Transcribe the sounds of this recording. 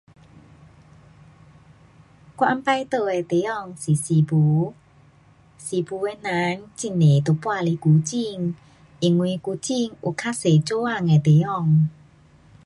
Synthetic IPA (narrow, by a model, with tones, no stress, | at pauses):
kwa̰˧mpa˧jt̪o˧e˨˩t̪e˨˦ɔ˥˧˨ŋsi˨si˨pu˨˦ | si˨˦pu˧˦e˧˦nã˧˦nt͡ɕi˧˨nːe˨t̪o˧˨pwa˥˧li˧˦ku˨˦t͡ɕi˥˧ŋ | ʔi˨˩ŋwi˧ku˧˦t͡ɕi˥˧ŋʔu˨kʰa˦˥se˨t͡ɕo˦a˥˧˨ŋe˨˩t̪e˨˦ɔ˥˧˨ŋ